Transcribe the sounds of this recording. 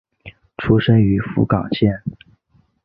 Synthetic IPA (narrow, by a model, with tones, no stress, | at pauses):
ʈ͡ʂʰu˥ʂə˥ŋy˧˥fṵ˧˥kɑ˨˩ŋɕjɛ˥˩n